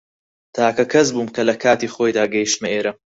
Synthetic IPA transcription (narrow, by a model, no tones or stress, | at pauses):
t̪ʰaːkɐkʰɐz̬buːmkɐlɐkʰaːt̪iːχoːjd̪aːɡɐjiʃt̪mɐeːɾɐ